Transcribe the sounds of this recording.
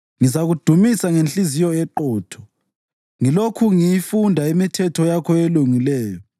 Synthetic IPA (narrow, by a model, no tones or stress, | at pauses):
ŋizaɣud̥ʱumisaŋenɬizijɔɛǃɔːtʰɔ̥ | ŋilokʰuŋijifundʱaimitʰɛtʰɔjakʰɔeluŋilɛːjɔ